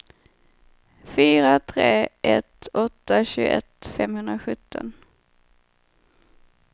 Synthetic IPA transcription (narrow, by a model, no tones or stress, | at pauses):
fyːɾat̪ʰɾeːʔɛt̪ɔt̪ːaɕʉːɡ̰ʔɛt̪fɛmhɵnd̪ɾaɧɵt̪ʰːɔ̰n